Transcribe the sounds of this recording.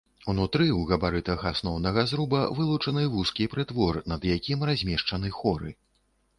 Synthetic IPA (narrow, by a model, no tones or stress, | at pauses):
unut̪ɾɨwɣɐbaɾɨt̪ɐɣasnɔwnɐɣɐzɾubɐvɨlˠut͡ʂɐnɨvuskʲipɾɨt̪vɔrnɐd̪jakʲimrazʲmʲɛʂt͡ʂɐnɨxɔɾɨ̰